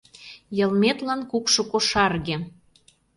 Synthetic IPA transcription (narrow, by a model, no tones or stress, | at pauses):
jɤ̆lmet̪lɑnkukʃokoʃɑrɣĕ